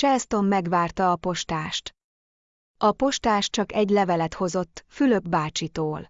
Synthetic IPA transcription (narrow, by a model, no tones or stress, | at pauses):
t͡ʃɛlst̪o̞mːɛɡʋaːrt̪ɒːpo̞ʃt̪aːʃt̪ | ɒpo̞ʃt̪aːʃt͡ʃɒkɛɟlɛvɛlɛt̪ho̞zo̞t̪ːfylø̞ɡbaːt͡ʃit̪oːl